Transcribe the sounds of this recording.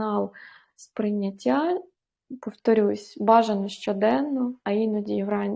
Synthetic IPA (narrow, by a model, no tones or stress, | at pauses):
ɑlˠ | spɾɪnʲːɐtʲːa | pɔwt̪ɔɾʲusʲbɑʒɐnɔʃt͡ʃɔd̪ɛnːɔɐinɔdʲijʋɾɑnʲ